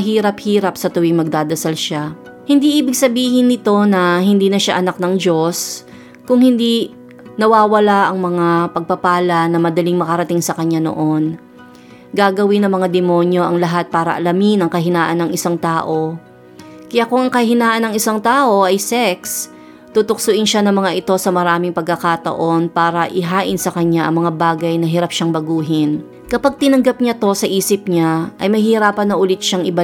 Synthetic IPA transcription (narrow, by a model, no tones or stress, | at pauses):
ɐɦiːɾɐp̚hiːɾɐp̚sɐt̪ʊwɪŋmɐɡ̚d̪aːd̪ɐsalʃa | hɪnd̪iʔiːbɪɡsɐbiːhɪnːɪt̪o̞nɐɦɪnd̪iːnɐʃaʔɐnak̚nɐŋd͡ʒo̞s | kʊŋhɪnd̪i | nɐwaːwɐlaʔɐŋmɐŋapɐɡ̚pɐpaːlɐnɐmɐd̪ɐlɪŋmɐkɐɾɐt̪ɪŋsɐkɐɲːano̰ʔo̞n | ɡaːɡɐwɪnɐŋmɐŋad̪ɛmo̞njoʔɐŋlɐɦat̪̚paːɾɐ̰ʔɐlɐmɪnɐŋkɐɦɪnaːʔɐnːɐŋʔɪsaŋt̪aːʔo̞ | kɐjakʊŋɐŋkɐhɪnaːʔɐnɐŋɪsaŋt̪aːʔo̞ʔɐjsɛks | t̪ut̪ʊksʊʔɪnʃanɐŋmɐŋaʔɪt̪o̞sɐmɐɾaːmɪŋpɐɡ̚kːɐkat̪ɐ̰ʔo̞npaːɾɐʔɪɦaːʔɪnsɐkɐɲːaʔɐ̰ŋmɐŋabaːɡɐjnɐɦɪɾap̚ʃaŋbɐɡuːɦɪn | kɐpaɡ̚t̪ɪnɐŋɡɐp̚ɲat̪o̞sɐʔiːsɪp̚ɲaʔɐjmɐjhɪɪɾaːpɐnːɐʔʊlɪt̪̚ʃaŋʔɪba